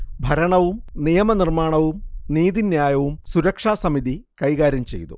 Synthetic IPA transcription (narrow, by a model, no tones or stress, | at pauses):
bʱɐɾɐɳɐʋumnijɐmɐnirmaːɳɐʋumniːd̪injaːjɐʋumsuɾɐkʂaːsɐmiðikɐjɣaːɾjɐmt͡ɕe̞̰jt̪ṵ